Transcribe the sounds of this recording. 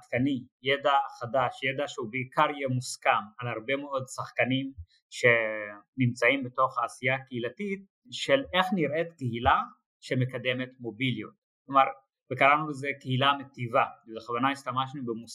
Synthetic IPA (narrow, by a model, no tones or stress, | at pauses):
tkanijed̪aχad̪aʃjed̪aʃeubeikaʁjemuskamalhaʁbe̞meo̞d̪saχkanim | ʃenimt͡saimbeto̞χhaːsijakeilatit̪̚ | ʃele̞χniɾʔet̪keɦila | ʃeme̞kad̪e̞me̞tmo̞biljot̪̚ | klomaʁ | vekaɾanulezekehilamet̪ivaeleχavanaist̪amaʃnubemus